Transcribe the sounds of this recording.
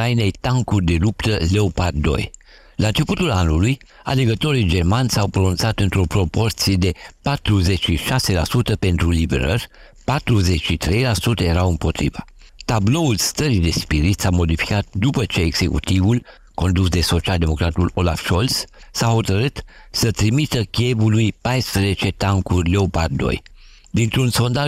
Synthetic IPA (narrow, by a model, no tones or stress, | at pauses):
ajnejt̪aŋkurd̪e̞lupt̪əle̞opard̪d̪o̞̰j | lʔaɨnt͡ʃe̞put̪ulanuluj | a̰le̞ɡət̪o̞ɾid͡ʒe̞rmanʲsawpɾonunt̪sat̪ɨnt̪ɾo̞pɾo̞po̞rt̪sije̞d̪e̞pat̪ɾuze̞t͡ʃʃiʃase̞lasut̪əpe̞nt̪ɾulibe̞̰ɾərʲ | pat̪ɾuzet͡ʃʃit̪ɾe̞jlasut̪əje̞ɾawɨmpo̞t̪ɾḭvə | t̪ablo̞ulst̪əɾid̪e̞spiɾit̪samo̞d̪ifi̥kat̪̚d̪upət͡ʃe̞ːɡse̞kṵt̪ivul | ko̞nd̪usd̪e̞so̞t͡ʃiald̪e̞mo̞kɾat̪ulo̞lafʃo̞lssaho̞t̪əɾɨt̪sət̪ɾimit̪əkʲievulujpajspɾəze̞t͡ʃe̞t̪aŋkurʲleopard̪o̞̰j | d̪int̪ɾunso̞nd̪a